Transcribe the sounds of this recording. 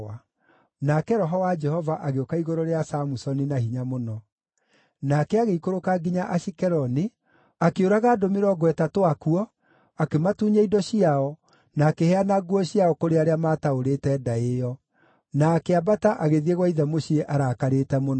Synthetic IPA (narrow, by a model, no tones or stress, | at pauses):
a | nakɛɾɔɦɔwad͡ʒɛhɔvaʔaɣeokaiɣoɾoɾeasamusɔninahiɲamonɔ | nakɛaɣeikoɾokaɡiɲaʔaʃikɛɾɔni | akeoɾaɣaːdomeɾɔɡwɛtatoakuɔ | akematuːɲaidɔɕiaɔ | naːkehɛanaɡuɔɕiaɔkoɾeaɾeamaːtaoɾetɛdaejɔ | naːkeabataʔaɣeðieɣwaiðɛmoɕieʔaɾaːkaɾetɛmonɔ